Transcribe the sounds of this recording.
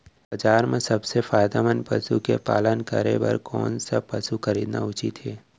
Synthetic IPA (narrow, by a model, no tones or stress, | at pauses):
bɐd͡ʒaːɾmẽsɐbsefaːjd̪amənpɐsukepa̰ːlənkɐɾḛbɐ̰ɾkɔ̰ːnsapɐsuxɐɾiːd̪na̰ʊt͡ʃit̪ɦeː